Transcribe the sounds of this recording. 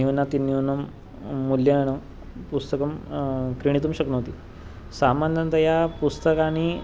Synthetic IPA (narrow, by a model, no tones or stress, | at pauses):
iunat̪inːiunəmː | ulːjananə | pust̪əkəmkɾiɽ̃it̪̬umɕəknət̪iː | samand̪ənt̪əjapust̪əkañi